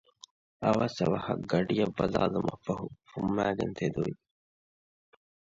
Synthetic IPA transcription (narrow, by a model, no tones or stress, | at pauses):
ɐʋasɐʋɐhɐɡɐɖijɐbːɐlaːlumɐfɐɦufumːæːɡent̪ʰed̪uʋi